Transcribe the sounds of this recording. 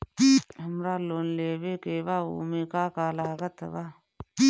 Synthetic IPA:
ɐmɾaːloːnleβekeːβaṵːmekaːkaːlaɡat̪ʰːa̰βa

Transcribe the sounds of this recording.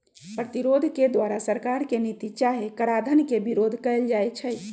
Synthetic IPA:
pɾət̪iɾod̪ʱked̪ʋaɾasəɾkaɾkenit̪it͡ʃaɦekəɾad̪ʱənkebiɾod̪ʱkəɪld͡ʒajt͡ʃʰəj

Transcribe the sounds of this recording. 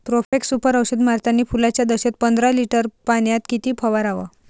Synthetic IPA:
t̪ɾofeksupəɾəwɕəd̪maɾt̪anːiːfulat͡ɕjad̪əɕet̪̚pənd̪ɾaliʈəɾpaɳjat̪kit̪iːpʰəʋaɾaʋa̰

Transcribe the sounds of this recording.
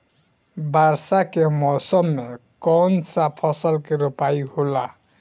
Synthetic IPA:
baɾsakɛmɔsɔmːɛkɔnsapʰɔsɔlkeɾopajhola

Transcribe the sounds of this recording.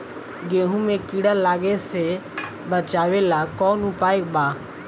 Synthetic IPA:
ɡeːɦũmẽkiːɽalaːɡese | bət͡ʃaːʋeːlakɔːnupaːekbaː

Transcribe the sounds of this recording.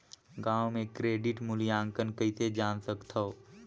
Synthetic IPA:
ɡaːwmẽkɾeːɖɪʈmʊljãːŋkənkəised͡ʒaːnsəkt̪ʰɐo

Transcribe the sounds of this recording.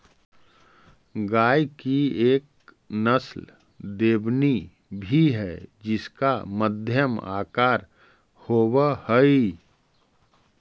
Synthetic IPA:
ɡaːjkieːk̚ | nəsl | d̪eːbni | bʱiɦɛːd͡ʒɪskaməd̪ʱjəma̰ːkaːɾ | hoːwəhəi

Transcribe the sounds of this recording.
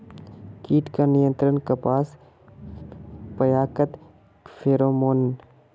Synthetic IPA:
kiːʈkanɪjə̃nt̪ɾənkɐpaːs | pəjaːkət̪ | fʰeːɾoːmoːn

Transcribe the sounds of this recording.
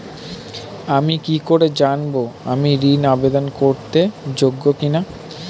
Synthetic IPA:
amikikoɾed͡ʑanboa̰miɾinabed̪onkoɾt̪ed͡ʑoɡːokina

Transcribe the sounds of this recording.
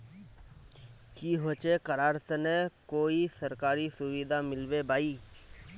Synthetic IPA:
kiɦoːt͡ʃekəɾaːɾt̪nekoːisəɾkaːɾisʊwid̪ʱamɪlwebaːiː

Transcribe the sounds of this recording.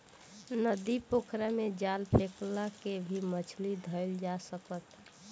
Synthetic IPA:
nəd̪ipokʰɾamed͡ʒalpʰeklakebʱimət͡ʃʰlid̪ʱəɪld͡ʒasəkət̪

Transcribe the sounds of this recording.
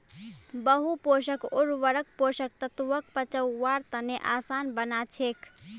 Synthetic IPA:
bəɦupoʃəkoɾʋəɾək̚poʃək̚t̪ət̪ʋək̚pət͡ʃəwːaɾt̪əneʔasaːnbənat͡ʃʰekʰ

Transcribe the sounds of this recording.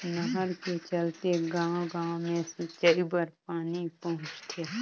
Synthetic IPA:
nəɦəɾket͡ʃəlt̪eɡãːɡãːmẽset͡ʃəibəɾpaːnipəɦʊ̃t͡ʃt̪ʰe

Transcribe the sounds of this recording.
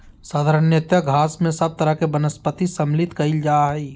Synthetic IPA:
saːd̪ʱəɾənjət̪jəɡʱaːsmẽsɐb̚t̪ɐɾəkebənəspət̪isɐmlɪt̪kɐild͡ʒaːɦɛi

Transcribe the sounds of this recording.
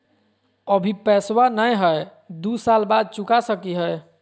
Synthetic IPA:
əbʱipɛswanəjɦəj | d̪usalbad̪̚t͡ʃukasəkiɦəj

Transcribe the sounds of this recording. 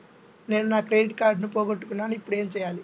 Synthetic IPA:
ne̞ːnunaːkɾeːiʈkaːɾɖnupoːɡɐʈːukunːaːnuipːuɽe̞ːmt͡ʃɛjaːli

